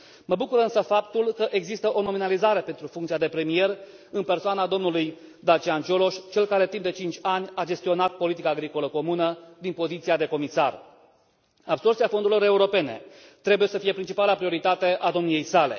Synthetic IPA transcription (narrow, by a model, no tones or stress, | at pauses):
məbukuɾɨnsəfapt̪ulkəʔeɡzist̪əʔo̞no̞minalizaɾe̞pe̞nt̪ɾufuŋkt̪siad̪e̞pɾe̞mije̞r | ɨnpe̞rsoanad̪o̞mnuluj | d̪at͡ʃiant͡ʃolo̞ʃʲt͡ʃe̞lkaɾe̞t̪impd̪e̞t͡ʃint͡ʃʲanʲad͡ʒe̞st̪io̞nat̪̚po̞lit̪ikaːɡɾiko̞ləko̞munəd̪inpo̞zit̪siad̪e̞ko̞misa̰r | abso̞rtsiafo̞nd̪uɾilo̞ɾe̞uɾo̞pe̞ne̞̰t̪ɾe̞buje̞səfije̞pɾint͡ʃipalapɾioɾit̪at̪e̞ʔad̪o̞mnije̞jsale̞̰